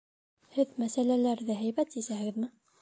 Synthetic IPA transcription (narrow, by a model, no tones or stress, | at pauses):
hɘðmæsælælæɾðɘɦæjbæt̪isæhɘ̆ɡɘðmɘ